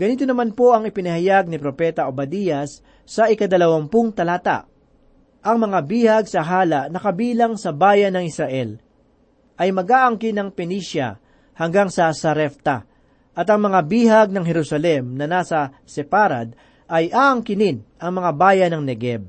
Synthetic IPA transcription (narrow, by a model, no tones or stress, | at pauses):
ɡ̥ɐniːt̪onɐmanpo̞ʔɐŋɪpɪnɐhɐjaɡ̚nipɾopɛt̪ɐobɐd̪ijɐsː | ɐʔɪkɐd̪ɐlɐwɐmpʊŋt̪ɐlaːt̪a̰ʔ | ʔɐŋmɐŋabiːhɐɡ̚sɐɦaːlɐʔnɐkɐbiːlɐŋsɐbaːjɐnɐŋɪsɾɐʔɛl | ʔɐjmɐɡaːʔɐŋkɪnɐŋpɛniːʃjɐ̰ | hɐŋɡaŋsɐsɐɾɛft̪ɐ | ʔɐt̪ɐŋmɐŋabiːɦɐɡ̚nɐŋɦɛɾusɐlɛmnɐnaːsɐ | sɛpaːɾa̰d̪̚ | ʔɐjʔaːʔɐŋkɪnɪnʔɐŋmɐŋabaːjɐnɐŋnɛɡɛb̚